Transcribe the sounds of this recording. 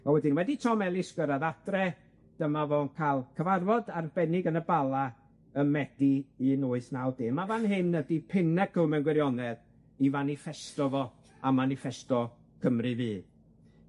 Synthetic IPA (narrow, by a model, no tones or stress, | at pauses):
ɔwɛdɪnwɛditʰɔmɛlˠiskwəɾaðad̥rɛ | d̥əmavɔːnkʰalˠkʰəvarvɔdarbɛnɪɡənəbalˠa | əmɛd̥iinoːɨθnawdeːmavanɦɪnːədipʰɪnɛkʰəmɛnɡwɛɾjɔnɛð | ivanifɛstɔvɔ | amanɪfɛstɔ | kʰəmrɨvɨː